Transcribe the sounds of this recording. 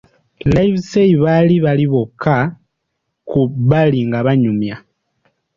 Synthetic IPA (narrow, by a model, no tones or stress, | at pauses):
lajβseiβaliβaliβokːa | kuβaliŋɡaβaɲumja